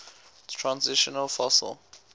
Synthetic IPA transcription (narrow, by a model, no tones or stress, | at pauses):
tʰɹãnziʃɔnəlfɔsə̰lˠ